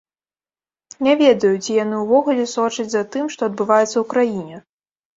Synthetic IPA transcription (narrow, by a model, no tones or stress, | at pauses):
nʲavʲɛd̪ɐjut͡sʲijan̪ɨwvɔɣulʲɛsɔt͡ʂɐd͡zʲzat̪ɨmʂt̪ɔɐd̪̚bɨvajɛt̪sɐwukɾajinʲɛ